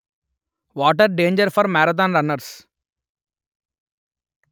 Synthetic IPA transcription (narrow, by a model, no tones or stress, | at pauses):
ʋɔːʈəɾɖẽːnd͡ʒəɾfɔɾmæːɾat̪̬ãːnɾɐnəɾs